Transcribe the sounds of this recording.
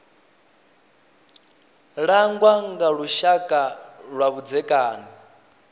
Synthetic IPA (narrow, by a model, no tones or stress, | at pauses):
ɺaŋɡwaŋɡaɺuʃakʼaɺwaβud͡zɛkʼaːni